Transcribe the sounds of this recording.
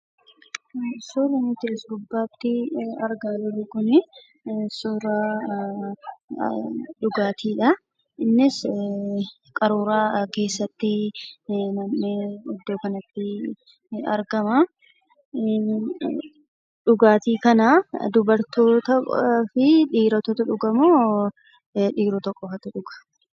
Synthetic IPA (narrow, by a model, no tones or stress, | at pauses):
soɾɪnɪt̪ɪɾɪsɡʊbːaːt̪ːɪɐɾɡalʊlʊɡʊnɪ | sʊɾaː | ᶑʊɡaːt̪ʰiːᶑɐ | ɪnːɪs | kʼɐɾuːɾaːke̞ːsːɐt̪ːɪ | nɐmːeɪd̪ːo̞ːkɐnɐt̪ːɪ | ɐ̰ɾɡɐmaː | ᶑʊɡaːt̪iːkɐnaːd̪ʊbɐɾt̪oːt̪ɐfɪᶑiːɾɐt̪ɔt̪ʊᶑʊɡɐmoː | ᶑiːɾɔt̪ɔkʼːɔfɐt̪ʊᶑʊɡ̥ɐ̥